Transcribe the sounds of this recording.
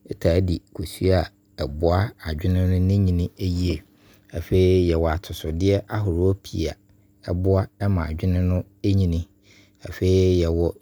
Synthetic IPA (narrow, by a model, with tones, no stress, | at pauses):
ɛ˦tʰaː˨˦di˨kʰo˨su˦a˨ | ɛ˨bʊ˦a˦a˨d͡ʑᶣɪ˦nɪ̃˦nʊ̃˦nɪ̃˦ɲĩ˨nɪ̃˦e˦ji˦e˨ | a˨fe˦i˦jɛ˨wɔ˨a˨tʰʊ˨sʊ˨dɪ˦ɛ˦ʔa˦ɦʊ˨ɾʊ˨˦o˦pʰḭ˨˦˨a̰˨ | ɛ˦bʊ˦a˦ɛ˦mã˨a̰˨d͡ʑᶣɪ˦nɪ̃˦nʊ̃˦ | e˦ɲĩ˨nɪ̃˦ | a˨fe˦i˦jɛ˨wɔ˨